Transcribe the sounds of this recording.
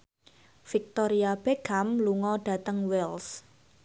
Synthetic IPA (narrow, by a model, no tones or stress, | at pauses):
fik̚t̪ɔɾiab̥ɛɡamluŋɔɖ̥a̤t̪əŋwɛls